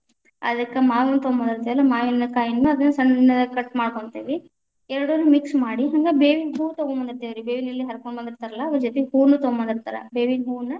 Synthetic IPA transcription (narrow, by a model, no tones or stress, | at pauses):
ɐ̰d̪ɐkːɐmaːʋunːut̪omɐnd̪iɾt̪ɐʋɐlːɐmaːʋilinɐkaːjinːuɐd̪ɐnːɐsɐɳinːɐd̪ɐkɐʈːmaːɽkoɳt̪eːʋi | ɛɾɐɽunːumiksmaːɽiɦɐŋɡɐbeːʋiɦuːt̪oɡombɐnd̪iɾt̪ɐːʋiɾibeːʋinɐlːiɦɐɾkoɳbɐnd̪iɾt̪aːɾɐlːɐːʋɐɾd͡ʒot̪ɛɦuːnuːt̪oːmɐnd̪iɾt̪aːɾɐ̰beːʋiɦuːnɐ